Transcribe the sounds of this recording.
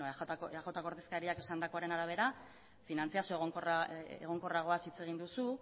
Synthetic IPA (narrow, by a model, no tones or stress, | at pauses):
axo̞t̪ako̞ɾðe̞skaɾiake̞sand̪ako̞aɾe̞naɾaβ̞e̞ɾa | finant͡siasoeɣokorḛɣ̞o̞ŋko̞raɣ̞o̞asit͡se̞ɣind̪usu